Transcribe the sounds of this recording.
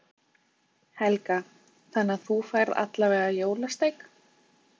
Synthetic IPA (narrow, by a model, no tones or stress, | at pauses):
hɛlka | θanːaθufajɾða̰t̪lavɛːðajoːwlast̪ejk